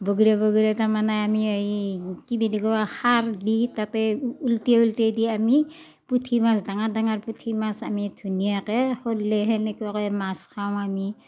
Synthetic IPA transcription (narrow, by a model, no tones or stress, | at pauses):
boɡiɾɛbɔɡiɾɛtamanaamiaikibidiɡɔahaɹditatɛultiaultediami | putʰimasdaŋadaŋaɹputʰimasamidʰʱunijakɛhɔtlɛɦɛnɛkuwakɔmaskʰaw̃ami